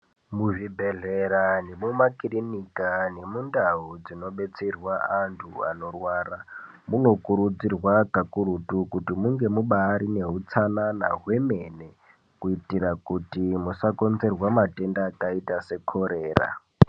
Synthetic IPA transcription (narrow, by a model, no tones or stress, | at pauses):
muʐibʱeɮeɾanemumakirinikane̞mundaɦud͡zino̞ɓe̞t͡serwaantʰua̰no̞rwaɾa | muno̞kuɾud͡zirwakakuɾutukutimuŋɡe̞muɓaːɾine̞ɦut͡sanana̰ɦwe̞mene | kuitiɾakutimusako̞nze̞rwamatendaːkaitase̞kʰoɾeːra̰